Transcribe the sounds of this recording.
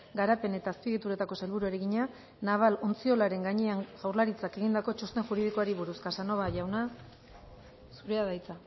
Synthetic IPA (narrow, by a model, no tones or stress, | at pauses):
ɡaɾape̞ne̞t̪aːspiɣit̪uɾe̞t̪ako̞selβuɾue̞ɾeɣiɲa | naβ̞alo̞nt͡sio̞laɾe̞ŋɡaɲeaŋʝawɾlaɾit͡sake̞ɣind̪ako̞t͡ʃost̪e̞ŋʝuɾið̞ikoaɾiβuɾuskasano̞βaʝawna | suɾe̞aðajt͡sa